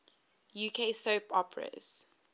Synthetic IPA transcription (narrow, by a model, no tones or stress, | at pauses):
juːkʰeɪsoʊpɔpʰɹə̰z̥